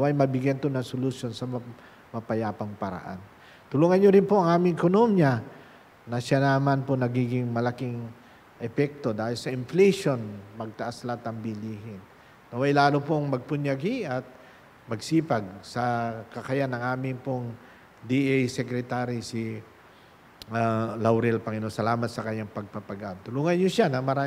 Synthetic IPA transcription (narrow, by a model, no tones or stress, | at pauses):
wɐjmɐbɪɡjɛnt̪onɐŋsolʊsjo̞nsɐm | mɐpɐjaːpɐŋpɐɾɐ̰ʔa̰n | t̪ʊluːŋɐnɲoɾɪnpo̞ʔɐŋʔaːmɪŋʔɛkonomjɐ | nɐʃanaːmanponɐɡiːɡɪŋmɐlɐkiŋ | ʔɛpɛk̚t̪o̞d̪aːhɪlsɐʔɪnflɛjʃo̞nmɐɡ̚t̪ɐʔaslat̪ɐŋbɪliːɦɪnː | oʔɐjlaːlopoŋmɐɡ̚pʊɲjɐɡiʔɐt̪̚ | mɐɡsiːpɐɡ̚sɐkɐkɐjanɐŋʔaːmɪŋpoŋ | d̪iʔɛjsɛkɾɛt̪aɾisɪ | alawɾɛlpɐŋɪnosɐlaːmɐt̪sɐkɐɲaŋpɐɡ̚pɐpɐɡant̪ʊluːŋɐnjoʃanɐmɐɾa